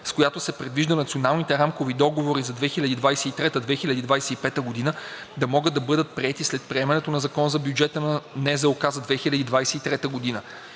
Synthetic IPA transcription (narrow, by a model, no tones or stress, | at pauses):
skojat̪osɛpɾɛd̪viʒd̪ənɐt̪sionalˠnit̪ɛɾamkovid̪ɔɡovoɾizɐd̪vɛxilʲɐd̪iːd̪vajsɛit̪ɾɛt̪əd̪vɛxilʲɐd̪id̪vajsɛipɛt̪əɡod̪inə | d̪ɐmɔɡəd̪ːɐbɤd̪ət̪̚pɾiɛt̪islɛt̪̚pɾiɛmɛnɛt̪onɐzɐkɔnzɐbjud͡ʒɛt̪ənɐnɛzɛokazɐd̪vɛxilʲɐd̪id̪vajsɛit̪ɾɛt̪əɡod̪inə